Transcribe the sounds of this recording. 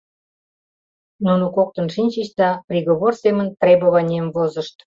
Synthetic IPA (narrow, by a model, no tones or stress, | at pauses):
nunukok̚t̪ənʃinʲt͡ɕət͡ɕd̪ɑprʲiɣoβorsemənt̪rʲebəβɑnʲemvozəʃt̪